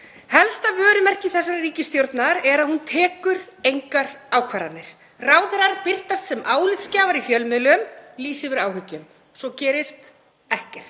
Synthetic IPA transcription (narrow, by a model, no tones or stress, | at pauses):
hɛlst̪avœːɾʏmɛr̥cɪθɛsːaɾriːcɪst̪jowɾt̪naɾɛɾaðhunt̪ʰɛːkʏɾejŋkaɾawkʰvaːɾa̰nːɪɾ̥ | raːwðɾaɾpɪr̥t̪ast̪sɛmaːwlɪt̪scaːvaɾifjœlmʏðlmliːsɪvɪɾaːwhʏcːʏm | sɔcɛːɾɪst̪ | ɛhcɛr̥t̪